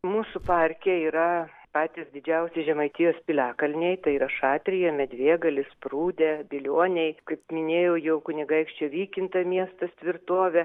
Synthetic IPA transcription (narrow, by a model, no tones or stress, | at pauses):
muːsʊpɐɾʲkʲeiːɾɐpɑːt̪ʲɪsd̪ʲɪd͡ʒʲɛʊsʲeʒʲɛmɐɪt̪ʲijoːspʲɪlʲæːkɐlʲnʲɛɪt̪ɐɪiːɾɐʃɑːt̪ʲɾʲɪjɛmʲɛd̪ʲʋʲeːɡɐlʲɪspruːd̪ʲebʲɪlʲoːnʲɛɪkɐɪpmʲɪnʲeːjɛʊjɛʊkʊnʲɪɡɐɪkʃʲt͡ʃʲoːʋʲiːkʲɪnt̪ɐmʲiɛst̪ɐst̪ʲʋʲɪrt̪oːʋʲɛ